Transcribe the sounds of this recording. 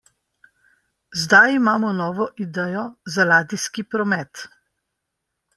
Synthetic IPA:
zd̪ajimaːmɔnɔːʋɔʔid̪ɛːjɔzalaːd̪iskipɾɔmɛt̪

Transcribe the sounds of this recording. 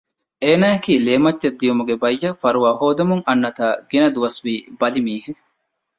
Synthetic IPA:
eːnaːɐkiːleːmɐd͡ʒt͡ʃɐd̪ːijumuɡebɐjːɐfɐɾuʋaːɦoːd̪ɐmuŋʔɐnːɐt̪aːɡinɐd̪uʋɐsʋiːbɐlimiːɦu

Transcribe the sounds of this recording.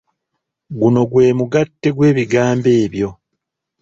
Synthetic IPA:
ɡuno̞ɡwe̞ːmuɡatːe̞ɡwe̞ːβiɡaːmbe̞ːβjo̞

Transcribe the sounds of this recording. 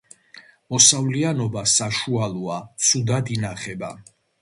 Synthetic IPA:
mɔsavlianɔbasaʃualˠɔat̪sʰud̪ad̪inaχɛba̰

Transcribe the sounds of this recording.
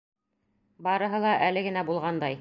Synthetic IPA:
bɑɾɤ̆ɦɤlˠɑʔælɘɡɘ̆næbulˠʁɑnd̪ɑj

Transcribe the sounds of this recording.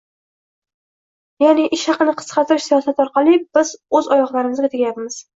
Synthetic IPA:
janɪʔɪʃhɑqɨnɪqʰɨ̥sqʰɑt̪ɪɾɪʃsijɒsat̪ɒɾqɑlˠɪb̥ɪz̥ɵzɒjɒχlˠaɾɪmɪzɡʲat̪ʰeɡʲajap̪mɪz̥

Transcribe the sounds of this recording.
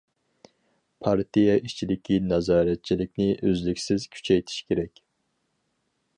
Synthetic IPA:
pʰɑɾt̪ʰijɑʔit͡ʃʰilɪkʲʰinɑzɑːɾɛt̪̚t͡ʃʰilɪkʲnɪʔøzlykʲsɪz̥kʲʰy̥t͡ʃʰɛjt̪ʰi̥ʃkʲʰeɾɛkʲ

